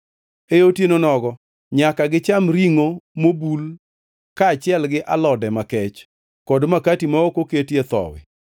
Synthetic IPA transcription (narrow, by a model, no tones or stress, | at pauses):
eotjenonɔɡɔ | ɲakaɡɪt͡ʃamɾiŋomobul | kaːt͡ʃɪɛlɡɪʔalɔdɛmakɛt͡ʃ | kɔdmakatimaokoketjet̪ɔ̰wɪ̰